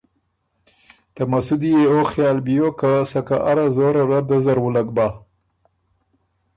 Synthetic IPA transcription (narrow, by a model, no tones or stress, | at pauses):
t̪amasud̪ijeoxjɑːlbijokasaka̰ʔaɾazoɾaɾad̪azaɾwəlaɡ̚ba